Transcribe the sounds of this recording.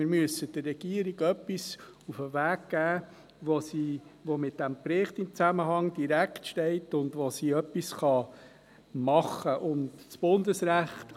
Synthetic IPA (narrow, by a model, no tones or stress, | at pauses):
ɪɾmyəsəd̥ərːɛɡ̥iəɾiɡœpːis | ufəʋæːɡ̚ɡ̥æː | ʋosiːʋomɪt̚d̥æmpɾɪχtɪmt͡sæməɦɑŋd̥iɾæktʃtɛɪtʊndʋosiːœpisχɑ | mɑχːəʔʊndt͡sb̥ʊndəsɾæχt̪